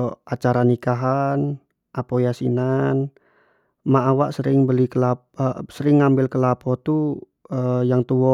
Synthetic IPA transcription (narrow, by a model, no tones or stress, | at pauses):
at͡ʃaɾanikaɦan | apɔjasinan | maʔawaʔsəɾɪŋbəlikəla | səɾɪŋːambɪlkəlapɔt̪u | əjaŋt̪uwɔ